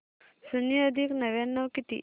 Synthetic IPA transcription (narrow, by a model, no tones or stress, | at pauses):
suniəd̪ʱiknəʋanːəʋkit̪ḭː